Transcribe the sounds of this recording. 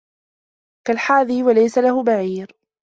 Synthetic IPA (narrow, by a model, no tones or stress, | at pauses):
kalħaːðiːwalajsalahʊbaʕiːɾ